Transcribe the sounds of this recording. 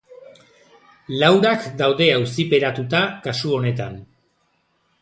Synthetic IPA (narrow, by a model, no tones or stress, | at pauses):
lawɾakd̪awðe̞awsipe̞ɾat̪ut̪akasuo̞ne̞t̪a̰n